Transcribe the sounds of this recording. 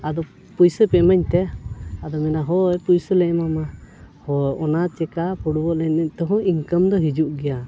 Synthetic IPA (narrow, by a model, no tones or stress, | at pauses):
ad̪ɔ | pujsəpɛmaɲt̪ɛad̪ɔmɛnaɦɔjpujsəlɛʔmamahɔɔnat͡ʃɛkapʰuɽubɔʔlɛnət̪ɔɦɔ̃iŋkəmd̪ɔɦid͡ʒuʔɡɛja